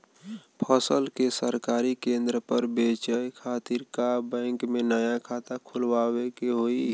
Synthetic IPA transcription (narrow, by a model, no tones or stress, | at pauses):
pʰəsəlkesəɾkaːɾikẽnd̪ɾəpəɾbet͡ʃəjkʰaːt̪iɾkabɛ̃ːŋkmenəjakʰat̪akʰʊlwawekeɦoi